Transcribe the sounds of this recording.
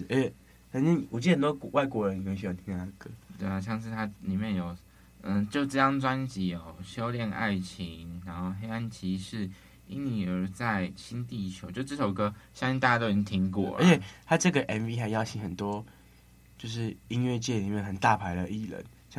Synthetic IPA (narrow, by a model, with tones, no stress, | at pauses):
ə˦ɛ˨˩˧ | i˥˨ɔ˨˩t͡ɕi˥˩hə˨nt̪wɔ˥kɔ˧wa˥˩ɪkwɔ˧˥ɻə˧˦n˨kʰwe˥˩y˥jɑ˨˧˩t̪ʰi˥ŋt̪ʰa˥˧kə˦t̪we˥˩ɪa˨˩ɕ̬jɑ˥˧ŋʂ̬ɻ̩˥˧˩t̪ʰa˦˥li˨˩mjɛ˥˨njo˨˩ʊ | ə˥˧t͡ɕjo˥˧ʊʈ͡ʂə˥˧jɑ˥˩ŋt͡swa˦nt͡ɕi˨˥jo˨˩ʊɕjo˥ʊljɛ˥˧na̰˥˩ɪt͡ɕʰi˧˦ŋna˧˦nxo˥˩ʊɦe˥ɪa˥nt͡ɕʰi˧˥ʂɻ̩˥˩ | i˥nni˨˩ə˨˧˥t͡sa˥˩ɪɕi˥nt̪i˥˩t͡ɕʰjo˧˦t͡ɕo˥˧˥ʈ͡ʂə˥˩ʂo˨˩ʊ˧ɡə˧ɕjɑ˥ŋĩ˥˧nt̪a˥˧˩ja˥t̪o˥˨˩t͡ɕi˥˧˥t̪ʰi˧˥ŋk̬wɔ̰˥˨˩ə̰˦t͡ɕʰɛ˨˩t̪ʰa˥ʈ͡ʂɤ˥˨˩ɡə˨˩ʔɛ˧˥nvi˦˥xa˧˥ɪjɑ˥˧ʊt͡ɕʰi˥˩xə˨˩nt̪wɔ˦˥ | t͡ɕjo˥˧ʊʂ̬ɻ̩˥˩i˦ŋɥɛ˥˧t͡ɕjɛ˥˩li˨˩mjɛ˥˩nxə˨˩nt̪a˥˨pʰa˧˥ɪlə˧ʔi˥˩lə̰˧˦n | ɕ